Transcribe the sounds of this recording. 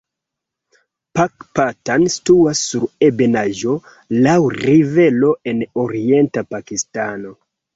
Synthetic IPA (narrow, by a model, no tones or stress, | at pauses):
pakpatanstuasːuɾebe̞naʒo̞ | lawrive̞lo̞ʔe̞noɾientapakistano̞